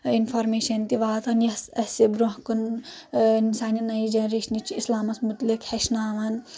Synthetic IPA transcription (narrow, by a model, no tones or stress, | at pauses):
infʰɐɾmeːʃɐnt̪iʋaːt̪ʰɐnjɐsɐsibɾoɦkun | nsaːninɐid͡ʒɐɾiʃnit͡ʃʰiislaːmɐsmut̪likhɐʃnaːʋɐn